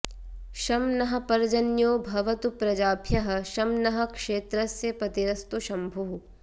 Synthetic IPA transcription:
ʃɐmnɐɦɐ̆pɐɾd͡ʒɐnjoːbʱɐʋɐt̪upɾɐd͡ʒaːbʱjɐɦɐ̆ʃɐmnɐɦɐ̆kʂeːt̪ɾɐsjɐpɾɐt̪iɾɐst̪uʃɐmbʱuɦu

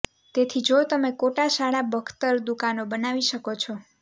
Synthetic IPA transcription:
t̪et̪ʰid͡ʒot̪əmekoʈaʃaɽabəɡt̪əɾd̪ukanobənaʋiʃəkot͡ʃʰɔ

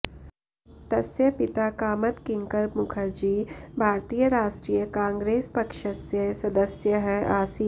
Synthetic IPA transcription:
t̪ɐsjəpɪt̪akaːmət̪kɪ̃ŋkəɾmʊkʰəɾd͡ʒiːbʱaːɾt̪ijəɾaːʃʈɾiːjəkãːŋɡɾeːspɐkʃəsjəsɐd̪əsjəɦɛʔaːsi

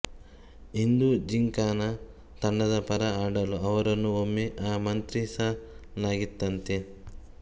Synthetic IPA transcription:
ind̪ud͡ʒiŋkaːnɐ | t̪ɐɳɖɐd̪ɐpɐɾɐaːɽɐluʔɐʋɐɾɐnːuomːiʔaːmɐnt̪ɾisɐlaːɡit̪ːɐnt̪i

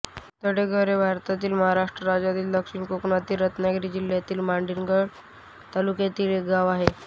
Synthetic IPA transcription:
t̪əɽeɡʱəɾebʱaɾt̪at̪iːlməɦaɾaʂʈɾəɾad͡ʑat̪iːld̪əkʂiɳkoknat̪iːɾət̪naɡɾiːd͡ʑiljat̪iːlmaɳɖinɡʱəɽ | t̪alukjat̪iːlek̚ɡaʋaɦe

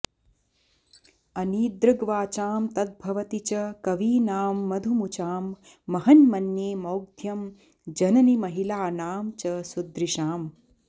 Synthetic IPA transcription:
ɐniːd̪ɾɐɡʋaːt͡ʃaːmt̪ɐd̪̚bʱɐʋɐt̪it͡ʃɐkɐʋiːnaːmːɐd̪ʱumut͡ʃaːmː | ɐɦɐnmɐnjeːmɐwɡ̚d̪ʱjɐm | d͡ʒɐnɐnimɐɦilaːnaːmt͡ʃɐsud̪ɾiʃaːm

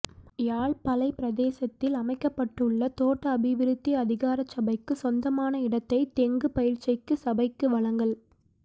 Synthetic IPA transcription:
jaːɭpɐlɐɪpɪɾɐðeːsɐt̪ːɪlɐmɐɪkːɐpːɐʈːɯɭːɐt̪oːʈːɐːbɪʋɪɾɯt̪ːiɐðɪɣaːɾɐt͡ʃːɐbɐɪkːɯsɔnd̪ɐmaːnɐɪɽɐt̪ːɐɪt̪ɛŋɡɯpɐjɪɻt͡ʃɐɪkːɯsɐbɐɪkːɯʋɐɭɐŋɡɐɭ

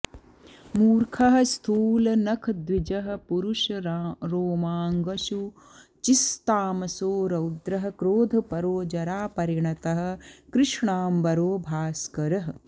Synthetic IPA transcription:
muːɾkʰɐɦɐ̆st̪ʰuːlɐnɐkʰd̪ʋid͡ʒɐɦɐ̆puɾuʃɐɾoːmaːŋɡɐʃu | t͡ʃist̪aːmɐsoːɾɐwd̪ɾɐɦɐ̆kɾoːd̪ʱɐpɐɾoːd͡ʒɐɾaːpɐɾiɳɐt̪ɐɦɐ̆kɾɪʂɳaːmbɐɾoːbʱaːskɐɾɐɦ

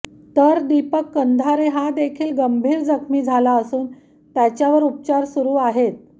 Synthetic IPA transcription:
t̪əɾd̪ipəkːənd̪ʱaɾeɦad̪ekʰiːlɡəmbʱiːɾd͡zəkʰmiːd͡zʱalaəsuːn | t̪jat͡ɕjaʋəɾup̚t͡ɕaɾsuɾuːaɦet̪̚

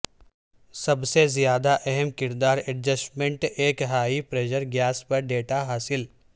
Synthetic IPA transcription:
sɐbsezijaːd̪aʔɛɦɛmkɪɾd̪aːɾɛʈ̚d͡ʒəsʈmẽɳʈeːkɦaːipɾeːʃəɾɡjaːspɐɾɖeːʈaɦaːsɪl

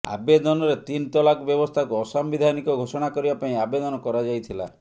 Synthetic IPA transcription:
a̰bed̪ɔnɔɾet̪int̪ɔlakɔbjɔbɔst̪ʰakuɔsambid̪ʱanikɔɡʱosɔɽ̃akɔɾibapaĩabed̪ɔnɔkɔɾad͡ʒajt̪ʰila̰

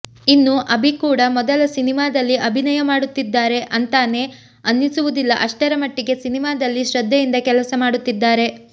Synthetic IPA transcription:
inːuʔɐbʱikuːɽɐmɔd̪ɐlɐsinimaːd̪ɐlːiʔɐbʱinɐjɐmaːɽut̪ːid̪ːaːɾe̞ʔɐnt̪aːne̞ | ɐnːisuʋud̪ilːɐʔɐʂʈɐɾɐmɐʈːiɡe̞sinimaːd̪ɐlːiʃɾɐd̪ʱːɐjind̪ɐkɛlɐsɐmaːɽut̪ːid̪ːaːɾe̞

